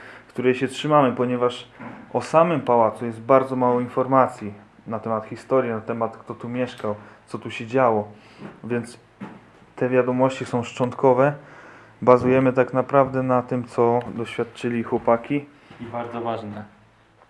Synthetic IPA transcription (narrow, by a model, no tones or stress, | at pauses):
kt̪uɾɛjɕɛtʂɘmamɘpɔɲɛvaʂʔɔsamɘmpawat̪sujɛst̪̚baɾd̪zɔmawɔinfɔɾmat̪sʲji | nat̪ɛmat̪xʲist̪ɔɾjinat̪ɛmat̪kt̪ɔt̪umʲjɛʂkawt̪sɔt̪uɕɛd͡ʑawɔ | vʲjɛnt̪s | t̪ɛvʲjad̪ɔmɔɕt͡ɕisɔ̃w̃ʂt͡ʂɔnt̪kɔvɛ | bazujɛmɘt̪aknapɾavd̪ɛnat̪ɘmt̪sɔd̪ɔɕfʲjat̪t͡ʂɘlʲixwɔpakʲi | ibaɾd̪zɔvaʐnɛ